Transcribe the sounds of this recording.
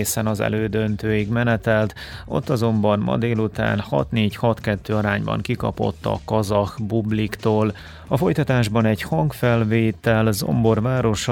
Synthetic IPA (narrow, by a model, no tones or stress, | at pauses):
eːsɛnɒzɛ̰løːd̪ønt̪øːjiɡmɛnɛt̪ɛlt̪o̞̰t̪ːɒzo̞mbɒnmɒ̰d̪eːlut̪a̰ːnhɒ̰t̪neːchɒt̪kɛt̪ːøːɒɾaːɲbɒ̰ŋkikɒ̰po̞̰t̪ːɒ̰kɒzɒxbublikt̪oːl | ɒfo̞jt̪ɒt̪aːʒbɒnɛɟhɒŋkfɛlveːt̪ɛlzo̰mbo̞rvaːɾo̞ʃ